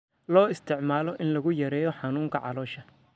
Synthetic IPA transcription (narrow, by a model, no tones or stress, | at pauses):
lɔːɪst̪ʰɪʕmaːlɔʔɪnlɐɣʊjɐɾɛːjɔħɑnuːŋkʰɐʕɑ̰lɔːʃɐ